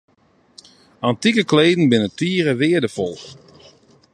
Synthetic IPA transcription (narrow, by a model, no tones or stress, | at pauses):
antikəkleːdn̩bɪnətiːəɾəʋɪədəfɔlˠ